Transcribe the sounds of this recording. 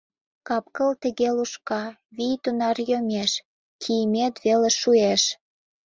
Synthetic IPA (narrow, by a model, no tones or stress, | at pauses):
kɑp̚kəlt̪ə̆ɣeluʃkɑβijt̪unɑrjomʲeʃ | kʰijəmet̪βeleʃueʃ